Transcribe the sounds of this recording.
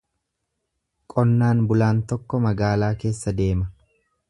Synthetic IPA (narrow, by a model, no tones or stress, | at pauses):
kʼɔnːaːnbʊlaːnt̪ɔkːɔmɐɡaːlaːke̞ːsːɐd̪e̞ːmɐ